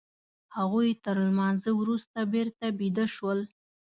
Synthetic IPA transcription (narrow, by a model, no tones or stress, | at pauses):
haɣujt̪əɾlmɑnzəwɾust̪abeɾt̪abid̪əʃwəl